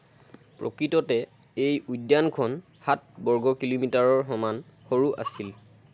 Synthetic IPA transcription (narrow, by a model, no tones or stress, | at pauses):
pɹo̰kɹitɔtɛ | ejujdjankʰɔn | hat̚bɔɹɡɔkilomitaɹɔɹɦɔman | xoɹuʔa̰sil